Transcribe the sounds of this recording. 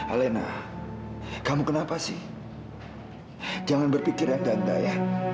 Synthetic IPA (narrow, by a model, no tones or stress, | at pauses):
a̰lena̰ | kamukənapasɪ̰h | d͡ʒaŋanbərpikɪrjaŋdand̪aja